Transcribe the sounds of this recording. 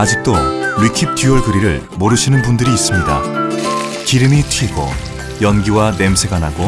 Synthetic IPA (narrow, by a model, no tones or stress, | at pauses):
ad͡ʑik̚t͈oɥikʰip̚tʰjuʌɭɡɯɾiɾɯɭ | moɾɯɕʰinɯnbundɯɾiːs͈ɯmɲida̰ | kiɾɯmitʰiɡo̰ | jʌnɡiwane̞msʰe̞ɡanaɡo